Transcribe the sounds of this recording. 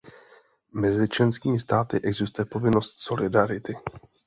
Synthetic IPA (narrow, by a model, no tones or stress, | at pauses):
mɛzɪt͡ʃlɛnskiːmɪst̪aːt̪ɪʔɛɡzɪst̪ujɛpo̞vɪno̞st̪so̞lɪdaɾɪt̪ɪ